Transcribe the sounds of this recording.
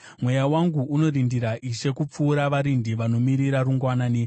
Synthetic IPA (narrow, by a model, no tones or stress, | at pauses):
mwe̞jawaŋɡuʔːno̞ɾindiɾaʔiʃe̞kup͡fuːɾaʋaɾindiʋano̞miɾiɾaɾuŋɡwanaːni